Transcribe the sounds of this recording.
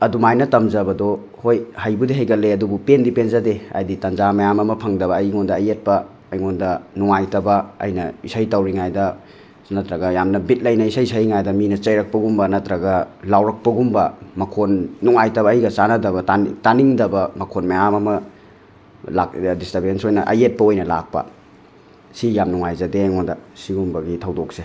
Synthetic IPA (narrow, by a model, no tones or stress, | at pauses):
ɐdumajnɐtɐmzɐbɐdo | hojhɐjbudiɦɐjɡɐleɐdubupendipenzɐdea̰jditɐnzamajamɐmɐpʰɐŋdɐβɐːjŋondɐːjet̚pɐː | jŋondɐnuŋajtɐbɐɐ̰jnɐisɐjtɐwɾiŋajdɐ | nɐt̪ɾɐɡɐjamnɐbit̚lɐjnɐisɐjsɐjŋajdɐminɐt͡ʃɐjɾɐk̚pɐɡumbɐnɐtɾɐɡɐlawɾɐk̚pɐɡumbɐmɐkʰonːuŋajtɐbɐːjɡɐt͡ʃanɐdɐβɐtataniŋdɐbɐmɐkʰonmeamɐmɐ | ladistabɾensojnɐʔɐ̰jet̚pɐojnɐla̰k̚pɐ̰ | sijamnuŋajzɐdejŋondɐsiɡumbɐɡitʰɐwdok̚se